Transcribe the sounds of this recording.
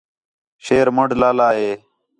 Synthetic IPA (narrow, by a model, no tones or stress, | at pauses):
ʃeːɾməɽlaːlaːɦeː